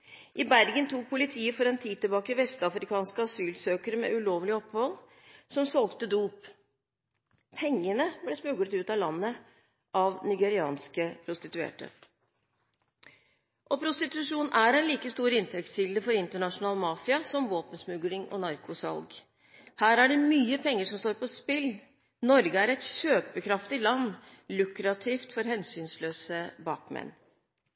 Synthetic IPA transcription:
ʔɪbæɾɡənt̪ʰuːk̚pʰʊlɪt̪ʰiːəfɔɾɛnt̪ʰiːd̪̚t̪əbɑːkəʋɛst̪ɑfɾɪkʰɑːnskəɑsyːlsøːkəɾəmɛ̰ʉloːʋlɪɔphɔl | sɔmsɔlɡt̪əd̪uːp | pʰɛŋːənəblɛsmʉɡlət̪ʉːt̪ɑlɑnːə | ʔɑʋnɪɡɛɾɪɑ̰ːnskəpʰɾʊst̪ɪt̪ʉḛːʈə̰ | ʔɔpʰɾʊst̪ɪt̪ʉʂuːnæɾɛnliːkəst̪uːɾɪnt̪ʰɛkt̪fʏld̪əfɔɾɪnt̪əɳɑʂʊnɑːlmɑːfɪɑsɔmʋoːpənsmʉɡlɪŋʔɔ̰nɑɾkʰʊsɑ̰lɡ | hæːɾæɖɛmyːəpʰɛŋːəʂɔmst̪oːɾpɔspɪl | nɔɾɡəæɾɛt̪ɕøːpəkʰɾɑft̪ɪlɑnː | lʉkɾɑt̪ʰiːft̪fɔɾɦɛnsyːnsløːsəbɑːkmɛ̰nː

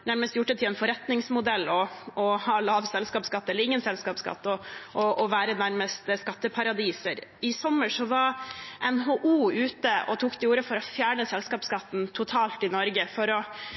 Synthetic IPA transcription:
næɾməst̪jʊʈːət̪ʰɪlɛnfɔɾɛt̪nɪŋsmʊd̪ɛlːɔɔhɑːlɑːʋsɛlskɑːpskɑt̪ːɛlːəɾɪŋːənsɛlskɑːpskɑ̰t̪ːɔʔɔʔɔʋæːɾənæɾməst̪skɑt̪ːəpʰɑɾɑd̪iːsəɾɪsɔmːəʂɔʋɑɾʔɛnɦoʔuːʉːt̪əɔ̰t̪ʰuːkd̪ɛuːɾəfɔɾɔfjæːɳəsɛlskɑːpskɑt̪ːn̩t̪ʰʊt̪ʰɑːlt̪ɪnɔɾɡəfɔɾɔ

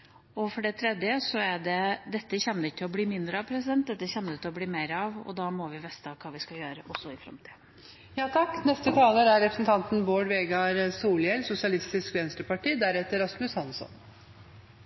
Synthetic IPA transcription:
ɔfɔɖɛt̪ʰɾɛd̪jəsɔæɖɛd̪ɛt̪ːəçɛnːəɾɪkːt̪ʰɪlɔbliːmɪnd̪ɾəɑʋpʰɾɛsɪd̪ɛnt̪̚d̪ɛt̪ːəçɛnːəɾɪt̪ʰɪlɔbliːmeɪɾɑʋɔ̰d̪ɑːmɔʋɪʋɛst̪əɑʋkʰɑːʋɪskɑjøːɾəʔɔsːɔɪfɾɑ̰mt̪ʰi̥ː | jɑːt̪ʰɑkːnɛst̪ət̪ʰɑːləɾæɾɛpɾə̥snt̪ʰɑnt̪n̩boːɖʋeːɡɑɾsuːljɛlsʊsɪɑlɪst̪ɪskʋ̪ɛːnst̪əpɑʈiːd̪æɾɛt̪ːəɾɑst̪lʉshɑnsɔ̰n

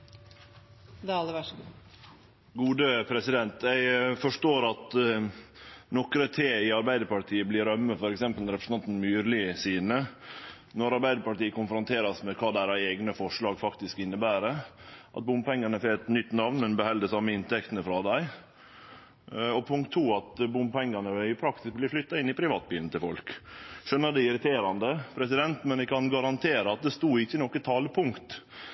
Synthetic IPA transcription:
d̪ɑlːəʋæ | ɡuːd̪əpʰɾɛsɪd̪ɛnt̪jæɪfɔʂʈoːɾɑt̪ | nɔkɾət̪ʰeːɪɑɾbæɪd̪əɾpɑʈʰiːəblɪɾœmːəfɔɾɛksɛmpəlɾɛpɾəsnɑnt̪n̩myːɾlɪsiːnə | nɔɾɑɾbæɪd̪əɾpɑʈiːəkʊnfɾʊnt̪ʰeːɾɑsmɛkʰɑːd̪æɾɑɛːɡnəfɔʂɭɑːɡfɑkt̪ɪskɪnːəbæːɾəʔɑ̰t̪̚bʊmpɛŋːɑnəfeːt̪nʏt̪ːnɑʋnmɛnbəhɛld̪əsɑmːəɪnt̪ɛkt̪ənəfɾɑd̪æɪ | ɔpʰʊŋkt̪ʰːuːɑt̪bʊmpɛŋːɑnəʋɪpʰɾɑk̚t̪ɪsk̚blɪflʏt̪ːɑɪnːɪpʰɾɪʋɑːt̪̚biːln̩t̪ʰɪlfɔlkʃœnːəd̪ɛɪɾɪt̪ʰeːɾɑnd̪əpʰɾɛsɪd̪ɛnt̪mɛnɛkɑnɡɑɾɑnt̪ʰeːɾəɑt̪̚d̪ɛst̪uːɪçːənɔkːət̪ʰɑːləpʰʊŋkt̪

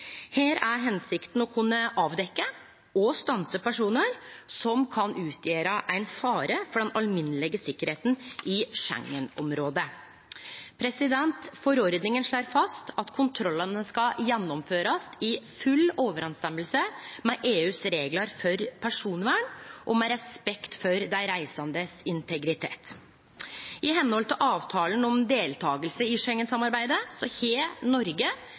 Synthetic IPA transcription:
heːɾæɾɦɛnsɪkt̪n̩ɔkʰʉnːəʔɑːʋd̪ɛkːə | ɔst̪ɑnsəpæʂuːnəɾsɔmkʰɑnʔʉːt̪ʰjeːɾəʔæɪnfɑːɾəfɔɖɛnɑlmɪnːəlɪɡəsɪkːəɾheːt̪n̩ʔɪʂɛ̰ŋːənɔmɾoːd̪ə | pʰɾɛsɪd̪ɛnt̪fɔɾɔɾd̪nɪŋənʂɭoːɾfɑst̪ɑt̪kʰʊnt̪ʰɾɔlːənəskɑjɛnːɔmføːɾɑst̪ɪfʉlːoːʋəɾɛnst̪ɛməlsəmɛʔeːʉːsɾeːɡlɑɾfɔɾpʰæʂuːnʋæːɳʔɔmɛɾɛspɛkt̪fɔɾd̪æɪɾæɪsɑnd̪əsɪnt̪ʰɛɡɾɪt̪ʰḛːt̪ | ʔɪɦɛnːəhɔlt̪ʰɪlʔɑːʋt̪ʰɑːlənɔmd̪eːlt̪ʰɑːɡəlsəɪʂɛŋːənsɑmɑɾbæɪd̪əsɔheːnɔɾɡə

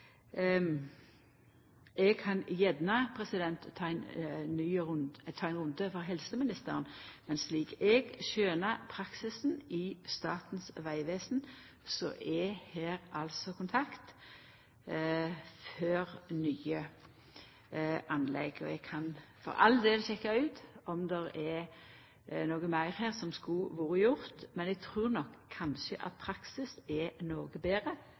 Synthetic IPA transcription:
ɛɡ̚kʰɑnjɛd̪nɑpʰɾɛsɪd̪ɛnt̪ʰːɑːæɪnyːt̪ʰɑːɛɪnʁʊnd̪əfɔɾɦɛlsəmɪnɪst̪əʁənmɛnsliːɡɛɡʃøːnəɾpʰɾɑksɪsn̩ɪst̪ɑːt̪n̩sʋæɪʋeːsn | sɔ̰ʔɛheːɾɑlsɔkʰʊnt̪ʰɑkt̪ | føːɾnyːə | ʔɑnlɛ̰ɡɔ̰ɛɡkʰɑnfɔ̰ɾɑ̰ləd̪eːlçɛkːɑʉːt̪ɔmd̪ɛɾɛ | noːɡəmæɪɾheːɾsɔmskuʋuːɾəjʊʁt̪mɛnɛɡ̚t̪ʰɾʉːʁnɔkʰːɑnʃəʔɑ̰t̪̚pʰɾɑksɪsɛnoːɡəbeːɾə

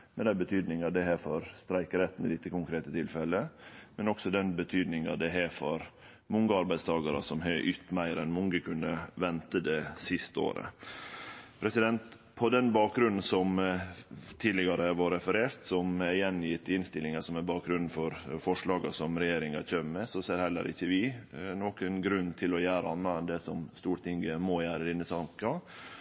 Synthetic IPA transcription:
mɛnd̪æbət̪ʰyːd̪nɪŋɑd̪ɛɦæːfɔɾst̪ɾæɪkəɾɛt̪ːn̩ɪ̰lɪt̪ːəkʊŋkʰɾeːt̪ət̪ʰɪlfɛlːəmɛnɔksɔd̪ɛnbət̪ʰyːd̪nɪŋɑd̪ɛɦæfɔɾ | mʊŋɡəɑɾbæɪst̪ʰɑːɡɑɾə̰sɔmɦøʔyt̪mæɪɾɛnmʊŋɡəkʰʉnːəʋɛnt̪əd̪ɛsɪst̪əo̰ːɾə̰ | pʰɾɛsɪd̪ɛnt̪ | pʰɔd̪ɛnbɑːk̚ɡɾʉnn̩sɔm | t̪ʰiːd̪lɪɡɑɾəʋɑɾɛfəɾeːɾt̪sɔmɛjɛnːjɪt̪ːɪnst̪ɪlːɪŋɑsɔmɛbɑːk̚ɡɾʉnn̩fɔɾfɔʂɭɑːɡɑ̰sɔmɾɛjeːɾɪŋɑ̰çøːmmɛsɔseːɾhɛlːə̰ɾɪ̰çːəʋɪnoːkənɡɾʉnːt̪ʰɪlɔjæːɾəɑnːɑɛnd̪ɛsɔmst̪uːɾt̪ɪŋɡəmɔjæːɾəd̪ɪnːəsɑŋkɑ

